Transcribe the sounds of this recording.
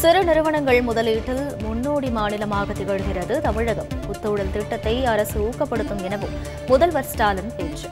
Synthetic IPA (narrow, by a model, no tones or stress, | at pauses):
sɪɾɯnɪɾɯʋɐɳɐŋɡɐɭmʊðɐliːʈːɪlmʊnːoːɽimaːnɪlɐmaːɣɐt̪ːɪɣɐɻɯɣɪrɐðɯt̪ɐmɪɻɐɣɐmʊt̪ːɯːɽɐlt̪ɪʈːɐt̪ːɐɪɐɾɐsɯuːkːɐpːɐɽɯt̪ːɯmɪnɐʋɯmː | ʊðɐlʋɐɾsʈaːlɯnpeːʈrɯ